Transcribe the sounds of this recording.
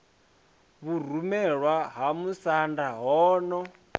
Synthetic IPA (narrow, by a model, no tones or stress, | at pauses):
βur̤umɛɺwaɦamusandaɦɔːnɔ